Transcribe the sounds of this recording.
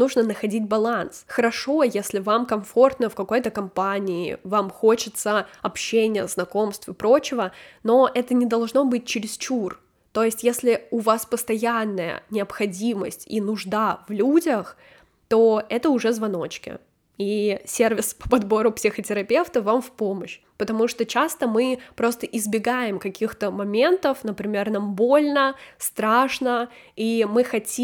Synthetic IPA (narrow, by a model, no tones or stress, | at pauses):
nuʐnənəxɐdʲid̚ʲbɐlˠansxəɾɐʂo̞jesʲlʲɪvamkɐɱfo̞rt̪nəfkɐko̞jt̪əkɐmpanʲɪ̰ːvamxo̞t͡ɕɪt̪səɐpɕːenʲɪjə̰znɐko̞mst̪vɨpɾo̞t͡ɕɪvəno̞ʔɛt̪ənʲɪd̪ɐlˠʐno̞bɨt̚ʲt͡ɕɪɾʲɪst͡ɕur | t̪o̞jɪsʲtʲjesʲlʲɪʊvaspəst̪ɐjanːəjə̰nʲɪɐpxɐdʲiməsʲtʲḭnʊʐd̪avlʲudʲəx | t̪o̞ɛt̪əʊʐɛzvɐno̞t͡ɕkʲɪ̰ | isʲervʲɪspə̥pɐd̪bo̞ɾʊpsʲɪxətʲɪɾɐpʲe̞ft̪əvamfpoməɕ | pət̪ɐmuʂt̪o̞t͡ɕast̪əmɨpɾo̞st̪əʔɪzbʲɪɡajɪmkɐkʲixt̪əmɐmʲe̞nt̪əfnəpɾʲɪmʲe̞rnɐmbo̞lʲnəst̪ɾaʂnə | imɨxɐtʲi